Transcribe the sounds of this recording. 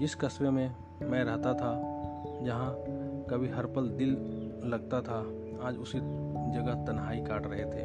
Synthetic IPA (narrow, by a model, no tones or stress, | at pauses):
d͡ʒɪskɐswemẽ | mɛ̃ɾɐɦt̪at̪ʰad͡ʒɐɦãkɐbʱiɦɐɾpəld̪ɪl | lɐɡ̚t̪at̪ʰa | aːd͡ʒʊsid͡ʒɐɡət̪ɐnɦaːikaːʈɾɐɦet̪ʰḛː